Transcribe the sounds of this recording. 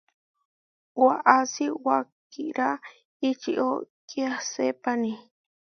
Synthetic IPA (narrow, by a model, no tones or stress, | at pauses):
waʔasiwakiɾa | it͡ʃiʔokiasepani